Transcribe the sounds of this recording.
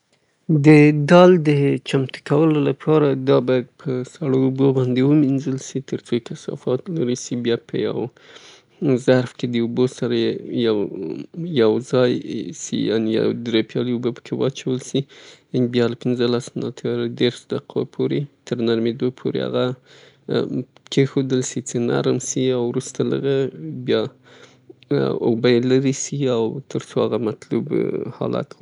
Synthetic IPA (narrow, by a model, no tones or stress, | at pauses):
d̪əd̪ɑld̪ət͡ʃamt̪ə̥kawəlolapʰɑɾad̪ɑbɑjad̪̚pʰəsaɽoubobɑnd̪ewəminzəlsit̪əɾt͡sokasɑ̰fɑt̪laɾisibjɑpʰəja̰w | zaɾfked̪əubosaɾajaw | jawzɑjsḭja̰nja̰d̪ɾepjɑliubopə̥kʰewɑ̰t͡ʃawəlsibjɑlapɪnzəlasnɑ̰t̪ʰaɾad̪eɾʃd̪aqʰa̰pʰoɾet̪ʰəɾnaɾmed̪opʰoɾḛa̰ɣa | kʰexod̪əlsit͡səna̰ɾmsiawɾust̪alə̰ɣabjɑ | obajelaɾisiawt̪əɾsoaɣamat̪lṵbhɑ̰lʔa̰t̪